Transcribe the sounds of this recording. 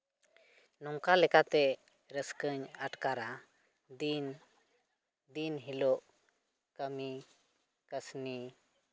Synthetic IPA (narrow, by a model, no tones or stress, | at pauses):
nɔŋkalɛkat̪ɛ | ɾəskəɲaʈkaɾa | n | d̪inɦilɔʔ | kəmi | kəsni